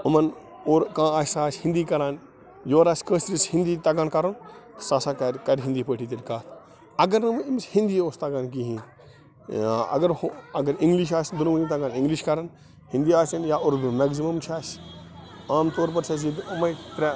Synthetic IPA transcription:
ʊmɐnoːɾkãːaːsaːsʲhɪ̃nd̪iːkɐɾaːn | joːɾaːskəːsɾishɪ̃nd̪iːt̪ɐɡaːnkɐɾɐnt̪ɐ̥saːsakɐɾkɐɾʲɦɪnd̪iːpəːʈʰiːt̪elʲkaːt̪ʰ | ɐɡɐɾnɨʋimshɪ̃nd̪iːoːst̪aɡaːnkiɦĩː | ɐ̰ɡɐɾhɐɡɐɾĩŋɡliʃ̬aːsʲd̪unund̪it̪ɐɡaːnɪ̃ŋɡliʃkɐɾan | hɪ̃nd̪iːaːsɐnjaːʔoɾd̪umɛɡzimɐmt͡ʃʰaːs | aːmt̪oːɾpɐɾsɐs̬id̪ʊmɐt̪ɾɛ

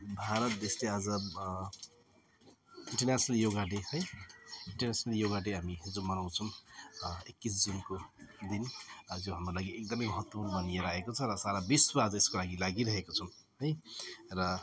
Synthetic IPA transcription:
bʱaɾʌt̪̚d̪eslead͡zʌ | iɳʈʌrnasnʌljoɡaʈehʌjiɳʈʌrnat͡sʌnʌljoɡaʈeɦamiɦid͡zomʌnaw̃t͡sʰʌw̃ | ekːisd͡zinkod̪injoɦamrolaɡiek̚d̪ʌmʌjmʌɦʌt̪wʌpunbʌnijeɾʌɦekot͡sʰʌɾʌsaɾabiswaːd͡zʌeskolaɡilaɡiɾʌɦekot͡sʰʌw̃ | ɦʌjrʌ

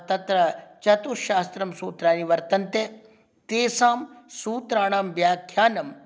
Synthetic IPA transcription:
t̪ɐt̪ɾɐt͡ʃɐt̪uʃaːst̪ɾɐmsuːt̪ɾaːniʋɐɾt̪ɐnt̪e | t̪eːsaːmsuːt̪ɾaːɳaːmʋjaːkʰjaːnɐm

